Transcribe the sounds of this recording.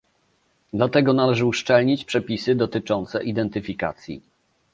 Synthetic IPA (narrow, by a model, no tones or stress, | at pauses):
d̪lat̪ɛɡɔnalɛʐɘuʂt͡ʂɛlɲit͡ɕpʂɛpʲisɘd̪ɔt̪ɘt͡ʂɔnt̪sɛʔid̪ɛnt̪ɘfʲika̰t̪sʲjḭ